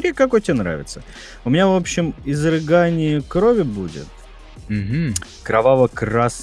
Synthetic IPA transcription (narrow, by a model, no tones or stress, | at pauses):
ɾʲekɐkojtʲɪbʲanɾa̰vʲɪ̰t̪sə | ʊmʲɪnʲavo̞pɕːɪmɪzrɨɡanʲɪjəkɾovʲɪbudʲɪ̰t̪̚ | m̩ɦm̩ | kɾɐvavəkras